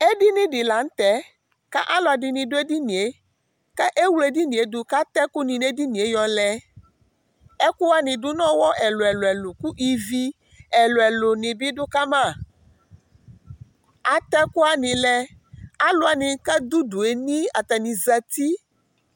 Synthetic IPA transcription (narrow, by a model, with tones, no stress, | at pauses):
e˦ɖi˦nĩ˦ɖi˨la˨ŋ̩˦t̪ɛ˦ | ka̰˦ʔa˦lɔ˨a˨ɖi˨nĩ˨ɖo˦e˦di˦nĩ˨e˨˦ | kɛ˦ʔe˦wu˦le˦di˦nĩ˨e˨d̪u˨ka˦t̪ɛ˦ku˦nĩ˨ne˦di˦nĩ˨e˦jɔ˨lɛ˦ | ɛ˦ku˦wa˦nĩ˨ɖu˦nɔ̃˦wɔ˦ʔɛ˨lo˨ɛ˨lɛ˨lo˨ku˦ʔi˨vi˦ | ɛ˨lo˨ɛ˨lo˨nĩ˨bi˦ɖo˦ka˦mã˦˨ | a˨t̪ɛ˦ku˦a˨nĩ˨lɛ˦a˦lo˨˦a˨nĩ˨˦kɛ˦d̪u˦du˨e˨nĩ˦a˨t̪a˨nĩ˨zɛ˨t̪i˦